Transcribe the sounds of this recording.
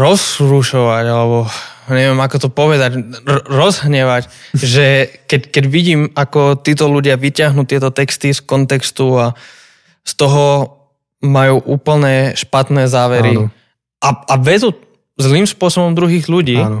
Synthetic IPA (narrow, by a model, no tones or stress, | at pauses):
ɾɔzɾuʃɔʋaɟalɛbɔɲɛʋɪɛmakɔt̪ɔpɔʋɛd̪acɾɾɔzɦɲɛʋac | ʒɛkɛckɛɟʋiɟiːmakɔt̪iːt̪ɔluɟɪaʋicɪaɦnuːt̪ɪɛt̪ɔt̪ɛkst̪iskɔnt̪ɛkst̪ua | st̪ɔɦɔ | majuːʔuːpl̩ɲɛʃpat̪nɛːzaːʋɛɾi | ʔaaʋɛd͡zu | zliːmspʊɔsɔbɔmd̪ɾuɦiːɣʎuɟiː